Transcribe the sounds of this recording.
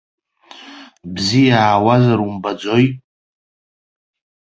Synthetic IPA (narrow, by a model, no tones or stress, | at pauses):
bzijaːwazaɾumbad͡zo̞j